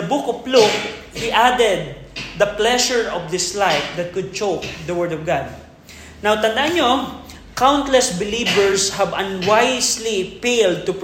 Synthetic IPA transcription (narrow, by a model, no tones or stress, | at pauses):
ɐbukɔpluk | hiʔad̪ɛd̪̚ː | ɐplɛʃɛɹɔvd̪ɪslajfd̪ɐt̪̚kʊd̪̚t͡ʃok̚d̪ɐwɛɹd̪ɔvɡad̪̚ | nawt̪ɐnd̪aʔanɲo | kawnt̪lɛsbɪlibɛɹshɐbɐ̃nwajslifeld̪̚t̪ʊp